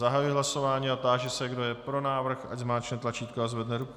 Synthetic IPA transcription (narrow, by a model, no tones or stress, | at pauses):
aɦajuiɦlaso̞vaːɲiːat̪aːʒɪsɛɡdo̞jɛpɾo̞naːvr̩xaɟzmaːt͡ʃnɛt̪lat͡ʃiːt̪̚koazvɛdnɛɾuk